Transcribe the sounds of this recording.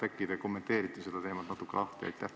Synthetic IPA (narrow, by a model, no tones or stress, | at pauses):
ækːˑid̪ɑko̞mːet̪e̞ːɾit̪ːˑised̪ɑt̪eːmɑt̪nɑt̪ːˑukːelʔɑht̪iɑ̰jt̪ːæ